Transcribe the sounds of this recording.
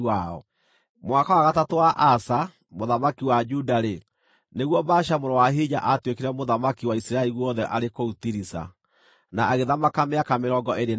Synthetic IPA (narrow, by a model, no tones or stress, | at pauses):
aɔ̰ | mwakawaɣatatowaʔasa | moðamakiwad͡ʒudaɾe | neɣwɔbaʃamoɾɔwaɦiɲaʔatwekeɾɛmoðamakiwaisiɾaɛɾiwɔðɛʔaɾekoutiɾisa̰ | naːɣeðamakameakameɾɔɡɔʔeɾe